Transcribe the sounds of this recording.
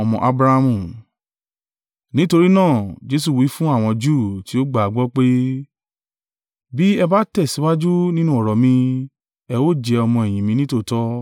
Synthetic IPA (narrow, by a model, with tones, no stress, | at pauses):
ɔ˧mɔ̃˧ʔa˧bɾa˧mũ˨ | nĩ˦to˧ɾi˦nãː˦˨d͡ʒe˧˦s̬u˦˨wi˨˦fũ˦a˦˨w̃ɔ̃˧d͡ʒuː˦˨ti˨˦o˦ɡ͡ba˦˨a˨ɡ͡bɔ˦k͡pe˦ | bi˦ɛ˧ba˦tɛ˦˨si˨˦wa˦d͡ʒu˦nĩ˦nũ˦ɔ˦˨ɾɔ˨mĩ˧ | ɛ˧wo˦d͡ʒɛ˧ɔ˧mɔ̃˧ɛ˨j̃ĩ˨mĩ˨˦nĩ˦to˦˨tɔ˦